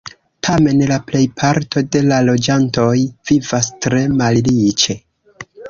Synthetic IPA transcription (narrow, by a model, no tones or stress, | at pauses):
tʰame̞nlaple̞jpʰaɾtʰo̞de̞lalo̞d͡ʒanto̞jv̥ivastɾe̞mallit͡ʃe̞